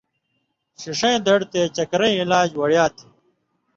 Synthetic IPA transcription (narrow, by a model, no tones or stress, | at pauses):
ɕiʂɐ̃j̃d̪ɐɽt̪eːt͡ɕɐkɾɐ̃ĩilaːd͡ʑwɐɽjaːt̪ʰi̥